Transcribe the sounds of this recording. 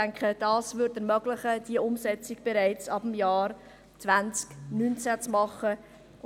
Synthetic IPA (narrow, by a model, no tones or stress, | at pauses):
æŋkχəd̥ɑːsvʏɾdəɾmœɡlɪχəd̥iəʔʊmsɛt͡sɪɡ̥b̥eɾɛɪt͡sɑbəm̩jaːɾ | t͡svant͡sknynt͡sæt͡smɑχə